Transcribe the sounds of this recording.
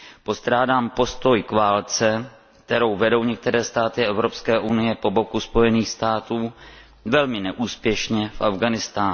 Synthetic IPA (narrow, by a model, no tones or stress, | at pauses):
po̞st̪ɾaːdaːmpo̞st̪o̞jkvaːlt͡sɛ | k̚t̪ɛɾo̞wvɛdo̞wɲɛk̚t̪ɛɾɛːst̪aːt̪ɪʔɛvɾo̞pskɛːʔunɪjɛpo̞bo̞kuspo̞jɛniːxst̪aːt̪uː | vɛlmɪnɛʔuːspjɛʃɲɛfʔavɡanɪst̪aː